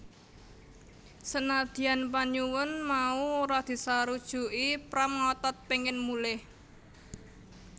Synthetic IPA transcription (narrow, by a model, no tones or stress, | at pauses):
sənad̪̥i̤anp̬aɲuwʊnmauoɾad̪̥i̤saɾud̥ʒ̥ṳʔipɾamŋɔt̪ɔt̪̚peŋɪnmulɪh